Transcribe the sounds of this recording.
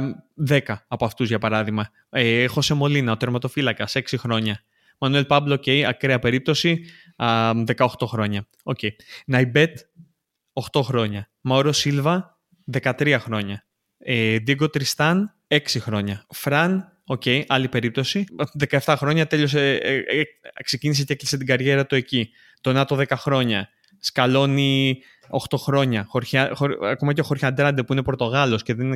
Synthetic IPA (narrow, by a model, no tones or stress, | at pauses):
ðe̞kɐːpoɐft̪uzʝɐpɐɾɐðiɣmɐ | exo̞se̞mo̞linɐot̪eɾmɐt̪o̞filɐkɐse̞ksixɾo̞ɲɐ | mɐnue̞lpɐblo̞ce̞jɐkɾeɐpe̞ɾip̚t̪o̞si | ðe̞kɐo̞xt̪o̞xɾo̞ɲɐ | o̞ce̞inɐjbe̞t̪ | o̞xt̪o̞xɾo̞ɲɐ | mɐoɾosilvɐ | ðe̞kɐt̪ɾiɐxɾo̞ɲɐ | ed̪iɡo̞t̪ɾist̪ɐn | e̞ksixɾo̞ɲɐfɾɐn | o̞ce̞iʔɐlipe̞ɾip̚t̪o̞siðe̞kɐeft̪ɐxɾo̞ɲɐt̪e̞lo̞s | kse̞cinis̬eceklise̞t̪iɡɐɾʝe̞ɾɐt̪ue̞ci | t̪o̞nɐt̪o̞ðe̞kɐxɾo̞ɲɐ | skɐlo̞ni | o̞xt̪o̞xɾo̞ɲɐxoɾçɐxoɐko̞mɐceoxoɾçɐnd̪ɾɐnd̪epuine̞po̞ɾt̪o̞ɣɐlo̞sceðenin